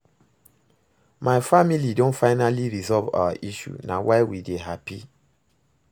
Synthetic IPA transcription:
maɪfamilidõntfaɪnaliɹizɔlva̰wa̰ʔiʃṵna̰waɪwideɦapi

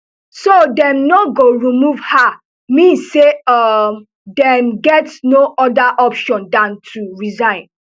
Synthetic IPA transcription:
sodɛ̃mnɔɡoɹimuvha | mĩnsːeɔm | dɛmɡɛtnoʔɔdaʔɔpʃɔ̃ndãntʰuɹizãɪ̃n

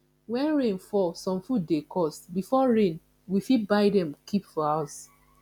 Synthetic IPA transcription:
wɛ̃nɹẽnfɔsɔ̃mfud̚dekɔstbifɔɹẽn | wifibaɪdɛ̃mkʰipfɔhaʊs

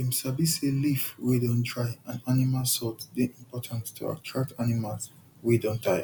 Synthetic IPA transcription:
imsabiselifwidɔ̃ntɹaɪaanimalsɔtdeʔĩmpʰɔtʰãnttʰṵa̰tʰɹak̚tanimals | widɔ̃ntaj̰

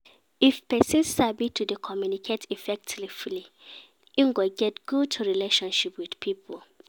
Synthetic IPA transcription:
ifpɛsĩnsːabitʰudəkʰɔmjunikʰetʰifɛk̚tʰlifli | ĩŋɡoɡɛtɡ̥ud̚tʰuɹileʃɔ̃nʃipwid̥pʰipʰul

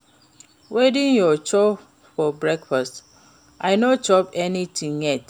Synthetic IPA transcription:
wedĩnjɔt͡ʃo | fɔbɹɛkfast | ʔaɪnot͡ʃɔpɛnitʰĩŋjɛt

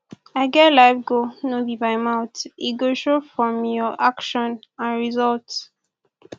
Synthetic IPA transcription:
aɪɡɛtlaɪfɡonobibaɪmaʊtiɡoʃɹofɹɔ̃mjɔʔakʃɔ̃nãnɹizɔlt

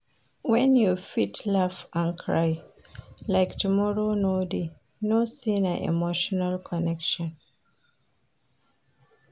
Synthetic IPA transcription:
wɛ̃njufitʰlavãnkʰɹa̰ɪ | laɪktʰumɔɹonode | nosĩnaʔḭmoʃɔnalkʰɔnɛkʃɔ̃n

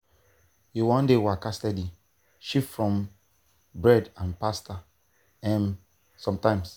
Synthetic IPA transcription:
jiwɔ̃ndewakastɛdi | ʃipfɹɔ̃m | bɹɛdãnpasta | ɛ̃n | sɔ̃mtãɪ̃ms

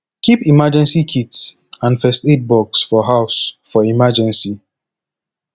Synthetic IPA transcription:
kʰipimad͡ʒɛ̃nsikʰitsãnfɛstet̚bɔksfɔɦaʊsfɔimad͡ʒɛ̃nsi

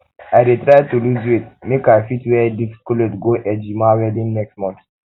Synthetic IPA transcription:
ajɾitɾajtuluzwit̪mekafitwɛdifi̥kɔletɡoʔɛd͡ʒimawɛdĩnːɛksmɔ̃nt̪

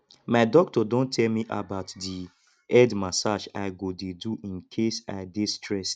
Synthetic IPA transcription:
maɪdɔk̚tɔdõntʰɛlmiʔa̰baʊtdi | ɛdmasaʃaɪɡodeduʔĩnkʰesa̰ɪdestʰɹɛs

